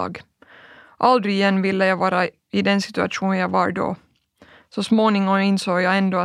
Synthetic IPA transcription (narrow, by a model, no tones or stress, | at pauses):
ɡ | ʔald̪ɾɪjɛnːvɪlːəjɑʋɑːɾa | ɪd̪ɛnsɪ̥t̪ʉa̰ʂuːnjɑɡʋɑɾɖɔ̰ː | sɔsmoːnɪŋɔmɪnsoːɡjɑːɛnd̪oː